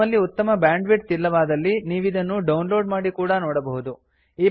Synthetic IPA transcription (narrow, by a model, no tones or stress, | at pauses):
ɐlːiut̪ːɐmɐbjaːɳɖʋiʈ̚t̪ilːɐʋaːd̪ɐlːiniːʋid̪ɐnːuɖɐwnlo̞ːɖmaːɽikuːɽɐnoːɽɐbɐɦud̪u | iː